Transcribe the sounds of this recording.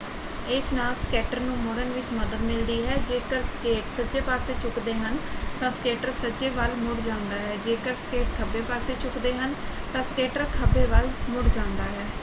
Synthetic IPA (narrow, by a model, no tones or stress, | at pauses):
ɪsnaːlskɛːʈəɾnũːmʊɽənʋɪt͡ʃməd̪əd̪mɪld̪iːɦɛːd͡ʒeːkəɾskeːʈsəd͡ʒeːpaːseːt͡ʃʊkd̪eːɦənt̪ãːskeːʈəɾsəd͡ʒeːʋəlmʊɽd͡ʒãːʊnd̪aːɦɛːd͡ʒeːkəɾskeːʈkʰəbeːpaːseːt͡ʃʊkd̪eːɦənt̪ãːskeːʈəɾkʰəbeːʋəlmʊɽd͡ʒãːnd̪aːɦɛː